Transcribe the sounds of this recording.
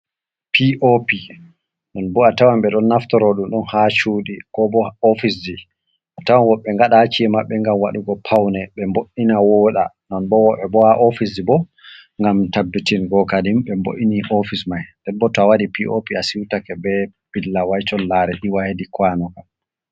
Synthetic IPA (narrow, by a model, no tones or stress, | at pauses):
piʔopi | nɔnbɔatawamɓɛɗɔnːaftɔɾoɗumɗɔnhat͡ʃuːɗikɔbɔofisdi | ʔatawanwɔɓɛŋɡaɗat͡ʃiɛmaɓːɛŋɡamwa̰ɗuɡɔpʰawnɛɓɛmboʔinawoɗa | nɔnbɔwɔɓɛbɔhaʔofis̬ibɔ | ŋɡamtabːitinɡɔkadimɓɛmbo̰ʔiniʔofismajdɛbɔtawaɗipiʔopiasiwtakɛbɛ | b̥ilːawajt͡ʃɔnlːaɾɛɗiwahedikwanɔka